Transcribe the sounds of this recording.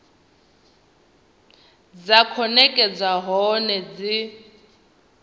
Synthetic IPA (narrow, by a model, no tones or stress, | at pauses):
d͡zakʰɔnɛkʼɛd͡zaɦɔnɛd͡zi